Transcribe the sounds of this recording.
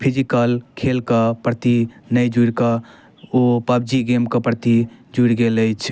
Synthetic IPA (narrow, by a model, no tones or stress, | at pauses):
pʰid͡ʒikəlkʰelkəpɾt̪inəjd͡ʒuɾkə | opəbd͡ʒiɡemkəpɾt̪id͡ʒuɾɡeləjt͡ʃʰ